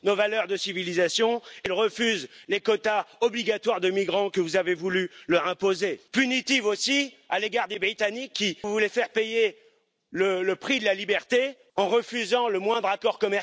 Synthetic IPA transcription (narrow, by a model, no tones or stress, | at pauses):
novalœʁd̪əsivilizasjɔ̃ilʁəfyzlekɔt̪aɔbliɡat̪waʁd̪əmiɡʁɑ̃kəvuzavevulylœʁɛ̃pozepynit̪ivosi | aleɡaʁd̪ebʁit̪anikːivulɛfɛʁpeje | lələpχid̪əlalibɛʁt̪e | ɑ̃ʁəfyzɑ̃ləmwɛ̃d̪ʁakɔʁkɔmɛ